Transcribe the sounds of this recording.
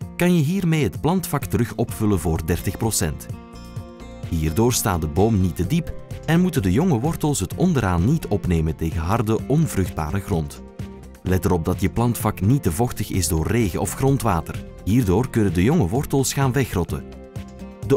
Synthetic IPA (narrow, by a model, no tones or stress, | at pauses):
kɑnjəɦiːrmeːɦətplɑntfɑktəɾɵxɔpfɵlənvoːrdɛrtəxprosɛnt | ɦiːrdoːrsta̰ːt̚dəboːmnitədipɛnmutəndəjɔŋəʋɔrtəlˠsɦətɔndəɾaːnːitʰɔpneːmənteːɣəɦɑrdəʔɔnvrɵxd̚ba̰ːɾəɣrɔnt | lɛt̚dəɾɔb̚dɑtjəplɑntfɑknitəvɔxtəɣɪ̰zdoːrːeːɣəʔɔfxrɔntʋaːtər | ɦiːrdoːrkɵnəndəjɔŋəʋɔrtəlˠsxaːnʋɛxrɔtə̰ | də